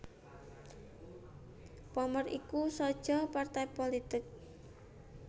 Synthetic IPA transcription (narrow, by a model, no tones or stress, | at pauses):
pɔmərikusɔd̥ʒ̥ɔpart̪ajpolit̪ɪk̚